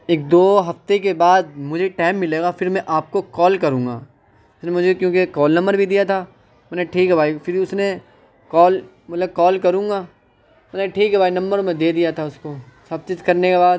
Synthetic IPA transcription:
eːk̚d̪oːɦɐft̪ek̬ebaːd̪mʊd͡ʒʱeʈaːɪmːɪleːɡafɪɾmɛ̃ʔaːp̚kokɔːlkɐɾũːŋɡa̰ː | ʊsnemʊd͡ʒʱekjõːkekɔːlnɐ̃mbəɾbʱid̪ijat̪ʰaː | mɛːneʈʰiːkɦɛbʱaːifɪɾiʊsne | kɔːl | mɐt̪ləb̚kɔːlkɐɾũːŋɡaː | mɛːneʈʰiːkɦɛbaːinɐ̃mbəɾmẽd̪eːd̪ijat̪ʰaʊskosɐb̚t͡ʃiːzkɐɾnekebaːd̪

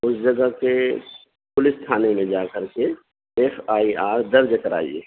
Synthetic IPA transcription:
ʊsd͡ʒɐɡəɦke | pʊlɪst̪ʰaːnemẽd͡ʒaːkəɾke | efaːiaːɾd̪ɐɾd͡ʒəkɐɾa̰ːḭḛː

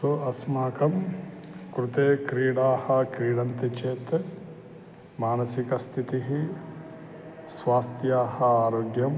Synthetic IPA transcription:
soɐsmaːkɐm | kɾut̪eːkɾiːɽaːhɐkɾiːɽɐnt̪it͡ʃeːt̪e | maːnɐsikɐst̪ʰit̪iɦi | sʋaːst̪ʰjaːɦɐaːɾoːɡjɐm

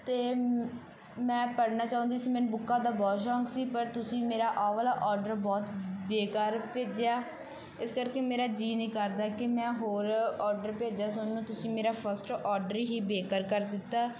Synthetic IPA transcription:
t̪eː | mɛ̃ːpəɽnaːt͡ʃaːʊ̃nd̪iːsiːmɛ̃nbʊkːãːd̪aːbɔːʃɔ̃ːŋksiːpəɾt̪ʊsĩːmeːɾaːʔaːʋəlaːʔɔːɾɖəɾbɔːt̪beːkaːɾpeːd͡ʒjaː | ɪskəɾkeːmeːɾaːd͡ʒiːnĩːkəɾd̪aːkɪmɛ̃ːɦoːɾɔːɖəɾpeːd͡ʒaːsʊnnũːt̪ʊsĩːmeːɾaːpʰəɾsʈɔːɖəɾɦiːbeːkəɾkəɾd̪ɪt̪ːaː

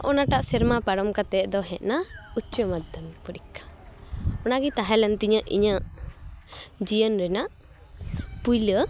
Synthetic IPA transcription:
ʔɔnaʈaʔsɛɾmapaɽɔmkat̪ɛʔd̪ɔɦɛ̃ʔ̪̚naut͡ʃəmad̪ənpəɾikʰːḁ | ɔnaɡit̪aɦɛlɛnt̪iɲəʔḭɲəʔ | d͡ʒijənɾɛnaʔ | pujlə

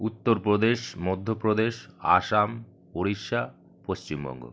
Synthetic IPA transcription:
ut̪ːoɾpɾod̪eʃmɔd̪ʱːopɾod̪eʃa̰ʃam | poɾiʃa | poʃt͡ɕimbɔ̰ŋɡo̰

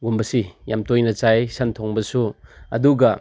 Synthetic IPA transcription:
ɡumbɐsijamtojnɐt͡ʃajsantʰɔŋbɐsuɐ̰duɡɐ

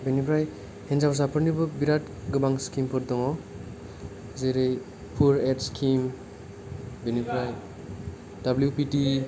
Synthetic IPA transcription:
benipʰɾaj | henzabɔs̬apʰɯɾnibɔbiɾat | ɡɯbaŋskimpʰɔɾdɔŋɔ | zeɾɯj | pʰuɾetskʰim | benibʰɾaj | dabljupiti

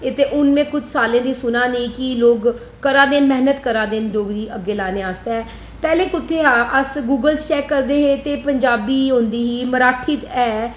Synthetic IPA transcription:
ɪt̪eːʔʊnmẽːkʊt͡ʃʰsaːlẽːd̪iːsʊnaːnəiːkɪloːɡ | kəɾaːd̪eːnmɛɦnət̪kəɾaːd̪eːnd͡ʒoːɡɾiːəɡːeːlaːneːaːst̪ɛː | pɛːleːkʊt̪ʰːeːɦaːʔəsɡuːɡəlst͡ʃɛːkːəɾd̪eːɦeːt̪eːpəɲd͡ʒaːbiːɦõːnd̪iːɦiːməɾaːʈʰiːt̪ɛː

